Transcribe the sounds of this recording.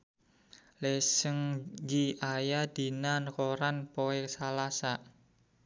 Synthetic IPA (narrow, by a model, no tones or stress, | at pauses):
lesəŋd͡ʒiajad̪̥i̤nankoɾanpoɛksalasaʔ